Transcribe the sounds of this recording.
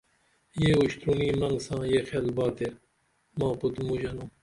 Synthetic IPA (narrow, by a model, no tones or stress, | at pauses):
jeːuʃt̪ɾuːniːmɐŋɡsãːjeːxelbɑːt̪e | mɑ̃ːpud̪muʒɐnum